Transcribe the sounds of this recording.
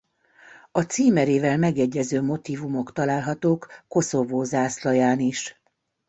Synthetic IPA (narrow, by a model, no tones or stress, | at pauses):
ɒt̪siːmɛɾeːvɛlmɛɡjɛɟːɛzøːmo̞t̪iːvumo̞kt̪ɒlaːlɦɒt̪oːkːo̞so̞voːzaːslɒjaːniʃ